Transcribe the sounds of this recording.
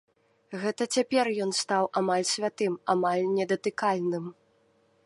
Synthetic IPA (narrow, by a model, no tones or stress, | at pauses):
ɣɛt̪ɐt͡sʲapʲɛrjɔnst̪awʔamalʲsʲvʲat̪ɨmamalʲnʲɛd̪ɐt̪ɨkalʲnɨm